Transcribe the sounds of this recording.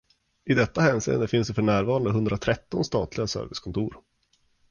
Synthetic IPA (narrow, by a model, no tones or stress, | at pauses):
ɪd̪ɛt̪ːahɛːnsḭːə̰nd̪əfɪnsd̪ɛfœɳæːɾvɑːɾand̪əɦɵnd̪ɾat̪ʰɾɛt̪ːɔnst̪ɑ̰ːt̪ʰlɪɡasœ̰ɾvɪskʰɔnt̪ʰuːɾ